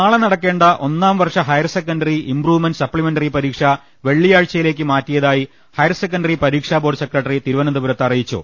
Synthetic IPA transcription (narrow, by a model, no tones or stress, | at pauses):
naːɭɐnɐɽɐkːe̞ːɳɖɐʔo̞nːaːmʋɐrʂɐɦɐjɐrsekːɐnɖɐriimpruːʋɨmenɖɨsɐpːɭimenɖɐripɐɾiːkʂɐ | ʋe̞ɭːijaːɻt͡ɕːɐjile̞ːk̬ʲːɨmaːtːijɐðaːji | hɐjɐrsek̬ːɐɳɖɐripɐɾiːkʂaːboːɖsekrɐʈːɐrit̪iɾuʋɐnɐd̪uʋuɾɐt̪ːɐrijit͡ɕːṵ